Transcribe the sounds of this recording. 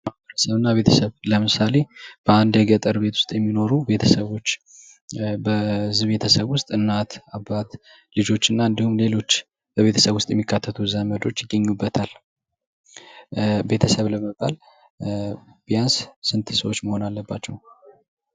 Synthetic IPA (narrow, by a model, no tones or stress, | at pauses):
maəɾəsəβɨnːaβe̞t̪ʰəsəβləmɨsale̞b̥əand̪jɛɡət̪ʼəɾbe̞t̪ʰwʊst̪ʼjɛmːino̞ɾube̞t̪ʰəsəβo̞t͡ʃː | bəɨzɨβe̞t̪ʰəsəβwʊst̪ʼɨnːat̪abːat̪ | lɨd͡ʒo̞t͡ʃːɨnːaɨnd̪ihumle̞lo̞t͡ʃː | b̥əβe̞t̪ʰə̥səβwʊst̪ʼjɛmːikːat̪ʰːət̪ʰuzanməd̪o̞t͡ʃːjɪɡːəɲːubːət̪ʰal | be̞t̪ʰəsəβləməbːa̰l | b̥ijanssɨnt̪ʰisəwo̞t͡ʃːməho̞nalːəbːat͡ʃːɛw